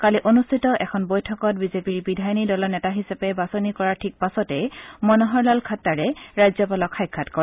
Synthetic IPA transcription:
kaliʔonustʰitɔʔɛkʰɔnbojtʰɔkɔt̚bizepiɹbidʱajnidɔlanɛtaɦisapɛbasɔnikɔɹaɹtʰik̚pasɔtɛjmɔnɔɦɔɹlalkʰatːaɹɛɹajzɔpalɔkʰːajkʰːatkɔɹɛ

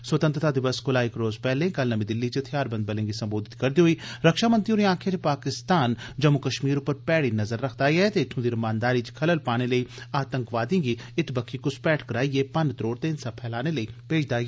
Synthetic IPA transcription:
sʋət̪ənt̪ɾət̪ʰaːd̪ɪʋəskʊlaːɪkɾoːzpɛːlẽːkəlnəmĩːd̪ɪlːiːt͡ʃt̪ʰɪjaːɾbənd̪bəlẽːŋɡisə̃mboːd̪ɪt̪kəɾd̪iːɦoiːɾəkʃaːmənt̪ɾiũːɾĩãːkʰet͡ʃpaːkɪst̪aːnd͡ʒəmːʊkəʃmiːɾʊpːəɾpɛːɽiːnəzəɾːəkʰd̪aːɛːt̪eɪt̪ʰːõːd̪iɾəmãːnd̪aːɾiːt͡ʃkʰələlpaːñeːləiːaːt̪ə̃ŋkʋaːd̪ẽːŋɡiːɪt̪bəkʰːiːkʊspɛːʈkəɾaːieːpənt̪ɾoːɽt̪eːnsaːpʰɛːlaːneːləiːpeːd͡ʒʰd̪aːɡe

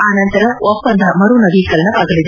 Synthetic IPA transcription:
aːnɐnt̪ɐɾɐɔpːɐnd̪ʱɐmɐɾunɐɡikɐlɐnɐʋaːɡɐɭid̪e

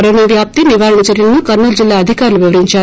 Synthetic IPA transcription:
ɾɐɳeʋjaːp̚t̪iniʋaːɾɐɳɐt͡ʃɐɾjɐlɐnukɐɾnɐld͡ʒilːaːɐd̪ʱikaːɾuluʋiʋɐɾiɲt͡ʃaː

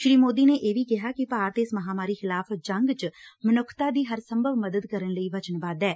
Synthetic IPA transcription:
ʃɾiːmoːd̪iːneːʔeːʋiːkɪɦaːkɪpaːɾt̪eɪsməɦaːmaːɾiːxɪlaːfd͡ʒəŋɡt͡ʃmənʊkʰt̪aːd̪iːɦəɾsəmbʱəʋməd̪əd̪kəɾənləiːʋət͡ʃənbaːd̪ɛː

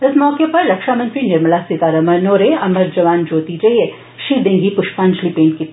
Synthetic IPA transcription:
ɪsmɔːkepɐɾːɐkʃaːmɐ̃nt̪ɾinɐɾməlasik̪aːɾɐmɐɾnoːɾeɐməɾd͡ʒɐʋaːnd͡ʒoːt̪id͡ʒɐie | ʃid̪ẽŋɡipʊʃpaːnd͡ʒlipẽːɳʈ̚ki

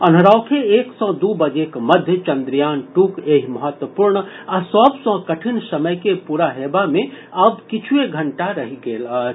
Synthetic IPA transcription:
ənɦɾaʊkʰeeːksɔ̃d̪ubəd͡ʒekməd̪ʱjət͡ʃə̃nd̪ɾijaːnʈuːkeːɦiməɦət̪wəpuːɾɳ | asɔbsɔ̃kəʈʰinsəməjkepuːɾaɦeːbamẽ | əb̚kɪt͡ʃʰueɡʱəɳʈaɾəɦiɡeːlə

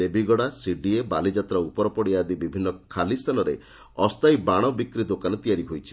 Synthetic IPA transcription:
ebiɡɔɽasiɖiebalid͡ʒat̪ɾaupɔɾɔpɔɽiad̪ibibʱinːɔkʰalist̪ʰalɔɾḛ | ɔst̪ajbaɽ̃ɔbikɾid̪okanɔt̪ijaɾiɦojt͡ʃʰi̥

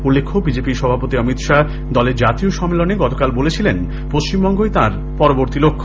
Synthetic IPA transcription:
ulːekʰːobid͡ʑepiʃɔbʱapot̪iʌmit̪ʃa | d̪ɔleɾd͡ʑat̪ioʃɔmːeloneɡɔt̪okalbolet͡ɕʰilen | poʃt͡ɕimbɔŋɡoet̪aɾ | pɔɾoboɾt̪ilokʰːo

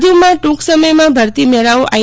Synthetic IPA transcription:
d̪umãʈũksəməjmãbʱəɾt̪imɛɭaʋoʔa

